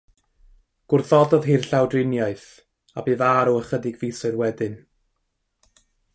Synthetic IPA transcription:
ɡ̥ʊrθɔdɔðɦirɬawdrɪnjaɨθ | abeːðaɾɔəχədɪɡviːsɔɨrwɛdɨn

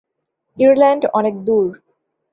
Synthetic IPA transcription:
iɾlæ̃ɳɖɔ̰nek̚d̪uɾ

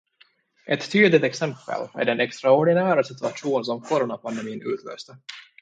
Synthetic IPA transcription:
ʔɛt̪ʰːyːd̪lɪt̪ɛksɛmpə̰lmæ̰ɖɛnɛkst̪ɾaɔɖɪnæːɾasɪt̪ɵaʂuːns̬ɔmfɔɾɔnapʰand̪ɛmiːnʉ̟ːt̪ʰlø̰ːst̪ə

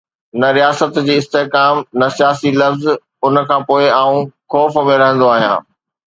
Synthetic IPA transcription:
nɐɾijaːsət̪d͡ʑiːɪst̪eɦkaːmnɐsijaːsilɐfz | ʊnə̆kʰãːpoːɪaːũxɔːfmẽɾɐɦə̃nd̪oaːɦijã̰ː

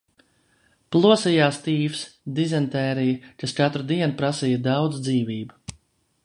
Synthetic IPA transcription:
plˠuɔsijaːst̪iːfsd̪izɛnt̪ɛːɾijkast͡ʃat̪ɾud̪iɛnupɾasijɐd̪awd̪zd̪ziːviːbu

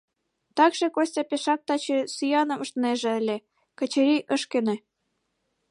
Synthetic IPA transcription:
t̪ɑkʃĕkosʲtʲɑpeʃɑk̚t̪ɑt͡ɕesyjɑnɤ̆mə̆ʃt̪ə̆neʒĕəlʲĕ | kə̆t͡ɕĕɾiʔəʃkenĕ

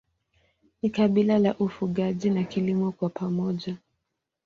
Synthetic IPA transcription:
nikaɓilalaʔufuɠaʄinakilimɔkwapamɔʄa

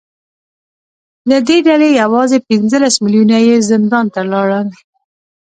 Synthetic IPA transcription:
d̪əd̪eɖalejawɑzepɪnzəlasmɪljunajezɪnd̪ɑnt̪alɑɽəl

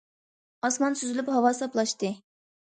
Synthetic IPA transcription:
ɑsmɑnsyzylyphɑwɑsɑplˠɑʃt̪ɨ

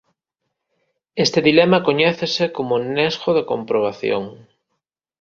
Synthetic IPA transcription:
est̪eðilemakoɲɛθesekomonezɣoðekompɾoβ̞aθjo̰ŋ

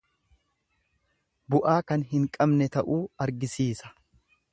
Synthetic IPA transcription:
bʊʔaːkɐnɦɪŋkʼɐbnɛt̪ɐʔuːɐɾɡɪsiːsɐ̥

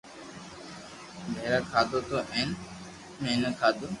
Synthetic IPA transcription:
bʱeːɾaːkʰaːd̪ot̪oʔɛ̃ːn | mẽːnəkʰaːd̪o

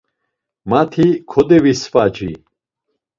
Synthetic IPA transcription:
mat̪ʰikʰɔd̪ɛvisfad͡ʒḭ

